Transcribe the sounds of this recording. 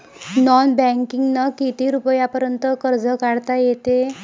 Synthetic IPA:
nɔnbɛ̃ŋkiŋɡnakit̪iɾupəjapəɾjənt̪əkəɾd͡zəkaɽt̪ajet̪e

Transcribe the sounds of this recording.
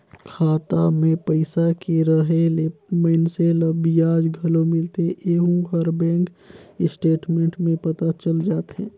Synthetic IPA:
kʰaːt̪amẽpəɪsakeɾəɦelemənseləbijaːd͡ʒɡʱɐlõmɪlt̪eeʔeːɦũɡʱəɾbɛ̃ːŋk | ɪsʈeːʈmẽɳʈmẽpɐt̪at͡ʃəld͡ʒaːt̪ɦɛ̃ː

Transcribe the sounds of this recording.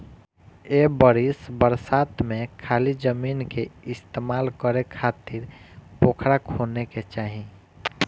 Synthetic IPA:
ebəɾisbəɾsat̪mẽkʰalid͡ʒəminkeɪst̪eːmaːlkəɾekʰat̪iɾpokʰɾakʰhoneket͡ʃaːɦi

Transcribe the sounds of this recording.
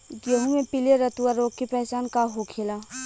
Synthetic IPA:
ɡeɦũmẽpileɾət̪uwaɾoːɡ̚kepɛɦsaːnkaɦokʰeːla

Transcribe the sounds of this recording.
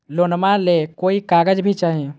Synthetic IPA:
loːnmãlekoːikaːɡəd͡ʒbʱit͡ʃaːɦiẽ

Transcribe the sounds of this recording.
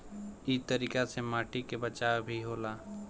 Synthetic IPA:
it̪əɾiːkasemaːʈikebət͡ʃaːwbʱiɦoːlaː

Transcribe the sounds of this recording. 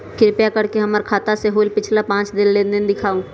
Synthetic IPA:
kɪɾpjakɐɾkeɦəməɾkʰaːt̪aseɦoːlpɪt͡ʃʰlapãːt͡ʃd̪ɪnlɪnd̪ɪnd̪ɪkʰaːũ

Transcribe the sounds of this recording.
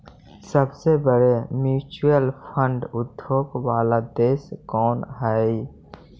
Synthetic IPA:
səbsebəɾemjuːt͡ʃujəlpʰə̃ɳɖʊd̪ʱːoːkwaːlad̪eːskɔːnɦɛ

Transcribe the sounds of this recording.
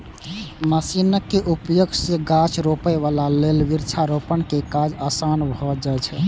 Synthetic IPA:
məsinəkːeʔupjoɡseɡat͡ʃʰɾopəjʋalalelʋiɾt͡ʃʰaɾopənkekad͡ʒasanbʱɔd͡ʒat͡ʃʰɛ

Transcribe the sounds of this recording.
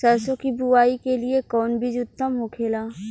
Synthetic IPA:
sɛːsõkibuaːikeliekɔːnbid͡ʒʊt̪ːəmɦokʰeːlaː

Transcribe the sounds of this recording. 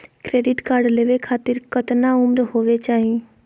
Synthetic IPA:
kɾeːɖɪʈkaːɾɖleːʋekʰaːt̪ɪɾkɐt̪naʊmɾɦoːʋet͡ʃaːɦi

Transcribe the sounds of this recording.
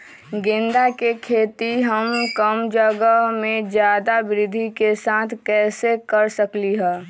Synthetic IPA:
ɡɪ̃nd̪akekʰeːt̪iɦəmkəmd͡ʒəɡəmẽd͡ʒjaːd̪abɾɪd̪ʱikesaːt̪ʰkɛːsekəɾsəkliɦɛː

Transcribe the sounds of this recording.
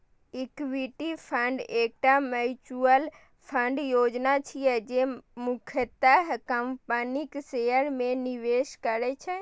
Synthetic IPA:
ikʋiʈipʰəɳɖeːk̚ʈamət͡ʃuəl | pʰəɳɖjoːd͡ʒnat͡ʃʰijɛd͡ʒemʊkʰət̪əɦkəmpəniksejəɾmẽniʋeʃkəɾɛt͡ʃʰɛ

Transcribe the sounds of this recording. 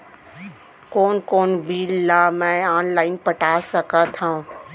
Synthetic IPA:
koːnkoːnbʱiːlːaːmɛ̃ːaːnlaːɪnpəʈaːsəkat̪ʰaũ

